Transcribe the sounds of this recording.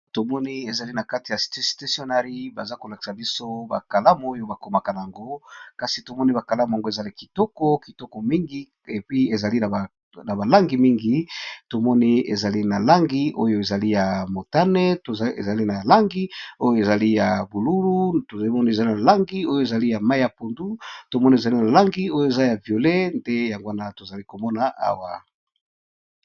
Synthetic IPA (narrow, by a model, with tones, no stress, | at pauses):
to˨mɔ˦ni˦e˨za˨li˦na˨ka˦ti˨ja˨si̥˨te˦si̥˨te˦so˦na˦ʁi˦ba˨za˦ko˨la˨ki̥˨sa˨bi˦so˦ba̰˨ka˨la˦m˦o˦jo˦ba˨ko˨ma˨ka˨na˨a˨ŋɡo˦ka˨si˨to˨mɔ˦ni˦ba˨ka˨la˦m˨a˨ŋɡo˦e˨za˨li˦ki˨tɔ˦kɔ˦ki˨tɔ˦kɔ˨mi˦ŋɡi˦ | e˨pi˦e˨za˨li˦˨ | na˨ba˨la˦ŋɡi˨mi˦ŋɡi˨to˨mɔ˦ni˦ḛ˨za˨li˦na˨la˦ŋɡi˦ʔo̰˦jo˦e˨za˨li˦ja˨mo˨ta˦nɛ˦to˨ḛ˨za˨li˦na˨la˦ŋɡi˦o˦jo˦e˨za˨li˦ja˨bu˨lu˦lu˦to˨˦mɔ˦nie˨za˨li˦na˨la˦ŋɡi˦o˦jo˨e˨za˨li˦ja˨ma˦i˦ja˨po˨ndu˦to˨mɔ˦ni˦e˨za˨li˦na˨la˦ŋɡi˦o˦jo˨e˨za˦ja˨vjo˨le˦ndɛ˦ja˨ŋɡo˦a˦na˨˦to˨za˨li˦ko˨mɔ˦na˨ʔa̰˦wa˨